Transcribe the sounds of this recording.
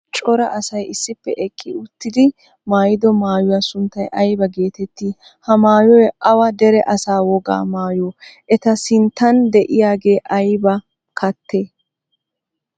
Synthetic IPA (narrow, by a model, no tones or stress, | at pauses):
t͡ʃʼɔɾɐʔɐsɐjɪsːɪpːɛ̰ʔɛkʼːɪʊt̪ːɪd̪ɪ | maːjɪd̪ɔmaːjʊwaːsʊnt̪ːɐjʔɐjbɐɡe̞ːt̪ɛt̪ːiː | hɐmaːjɔjʔɐwɐd̪ɛɾɛʔɐsaːwɔɡa̰ːmaːjɔːʔɛt̪ɐsɪnt̪ːɐnd̪ɛʔɪjaːɡe̞ːʔɐjbɐ | kʰɐt̪ʰːeː